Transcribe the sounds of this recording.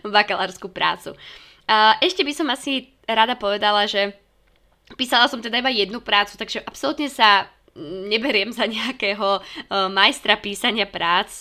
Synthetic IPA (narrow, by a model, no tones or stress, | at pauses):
ʋakalaɾskupɾa̰ːt͡sṵ | ʔɛʃcɛbisɔmasi | ɾad̪apɔʋɛd̪alaʒɛ | piːsalˠasɔmt̪ɛd̪aibajɛd̪nupɾaːt͡su̥t̪aɡʒɛʔapsɔlut̪ɲɛsa | ɲɛbɛɾɪɛmzaɲɛakɛːɦɔmajst̪ɾapiːsaɲɪapɾaːt͡s